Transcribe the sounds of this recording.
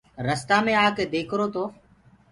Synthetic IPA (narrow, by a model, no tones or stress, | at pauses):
ɾəst̪aːmẽːaːkeːd̪eːkʰɾoːt̪oː